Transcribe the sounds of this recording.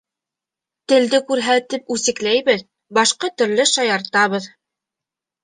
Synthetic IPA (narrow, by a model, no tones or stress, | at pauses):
t̪ɘ̆ld̪ɘkʉɾɦæt̪ip̚ʉsɘ̆klæjβɘð | bɑʃqɑt̪ɵ̆ɾlɘʃɑjɑɾt̪ɑβɤð